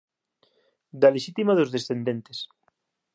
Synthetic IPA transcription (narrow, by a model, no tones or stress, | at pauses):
d̪aleʃit̪imaðozðesθend̪ent̪es